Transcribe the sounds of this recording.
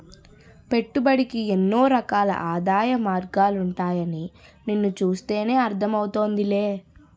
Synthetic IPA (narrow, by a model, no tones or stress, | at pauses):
pe̞ʈːubɐɽikienːo̞ːɾɐkaːlɐ̰ʔaːd̪aːjɐmaːɾɡaːluɳʈaːjɐnininːut͡ʃuːst̪e̞ːne̞ːɐɾt̪ʰɐmɐwut̪o̞ːnd̪ile̞ː